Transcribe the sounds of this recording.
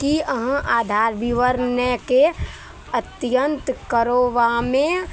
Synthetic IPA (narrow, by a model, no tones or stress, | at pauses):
kiəɦə̃ʔaːd̪ʱaːɾʋiʋəɾnəke | ət̪jənt̪kəɾoʋamẽ